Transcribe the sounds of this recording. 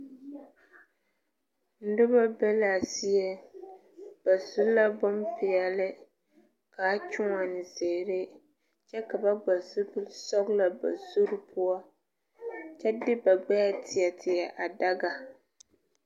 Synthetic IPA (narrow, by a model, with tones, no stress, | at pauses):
n̩˦dʊ˦ba˦bɛ˦la˨si˦jɛ˦ | b̥a˨zu˦la˦bɔ˦mpɪ˨ɛ˨lɪ˦ | kaː˨˦t͡ʃʊ˦ŋa˨nɪ˨ze˨ɾe˦ | t͡ʃɛ˦ka˨ba˦ɡ͡ba˨zʊ˦bɨ˦lsɔ˦bla˨ba̰˨zu˦ɾɨ˦pʰʊ˦a˦ | t͡ʃɛ˦dɪ˦ba˨ɡ͡bɛ˦ja˦tʰɪ˨ɛ˨tʰɪ˨ɛ˨ʔa˨da˦ɡa˨